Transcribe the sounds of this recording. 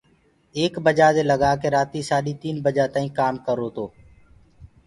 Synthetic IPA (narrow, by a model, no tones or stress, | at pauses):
eːkbəd͡ʒaːd̪eːləɡaːkeːɾaːt̪iːsaːɗiːt̪iːnbəd͡ʒaːt̪aːĩːkaːmkəɾoːt̪oː